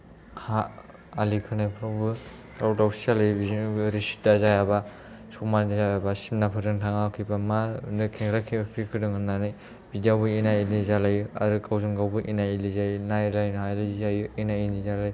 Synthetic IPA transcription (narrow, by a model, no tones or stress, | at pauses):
ha | alikʰɯnajpʰɾabɯ | ɾawdawsizalajbizɾisi̥dazajaba | sɔk̚mandazajabasimnapʰɯzɯŋtʰaŋakʰibamanɯkʰeŋɾakʰipʰɾikʰɯdɯŋɯnːanɯj | bidijawbɯinailizalajua̰ɾɯkʰawzɯŋɡawbɯʔinailizajnajlajnɦajlajzajuinainizalaj